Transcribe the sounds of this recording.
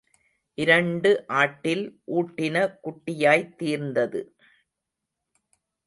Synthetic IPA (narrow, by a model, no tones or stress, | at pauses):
ʔɪɾɐɳɖɯʔaːʈːɪlʔuːʈːɪnɐkʊʈːɪjaːjt̪ːiːɾnd̪ɐðɯ